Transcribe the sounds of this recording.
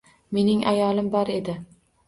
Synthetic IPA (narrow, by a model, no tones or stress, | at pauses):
me̞nɪŋʔajɒlˠɪmbɒɾe̞d̪ɪ